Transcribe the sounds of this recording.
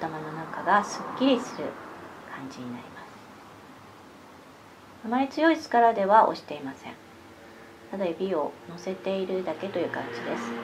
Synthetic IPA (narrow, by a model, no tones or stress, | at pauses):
t̪amano̞nakaɡasɨkʲːiɾʲisɨɾɯ̟̰kʰãɲ̟d͡ʑiɲ̟ina̰ɾʲimasɨ̥ | amaɾʲit͡sɨjo̞isɨ̥kaɾad̪e̞βaʔo̞̰ɕi̥t̪e̞imasẽ̞̰ɴ | t̪ad̪ajobʲio̞no̞se̞t̪e̞iɾɯ̟d̪ake̞t̪o̞jɯ̟ːkã̰ɲ̟d͡ʑid̪e̞sɨ̥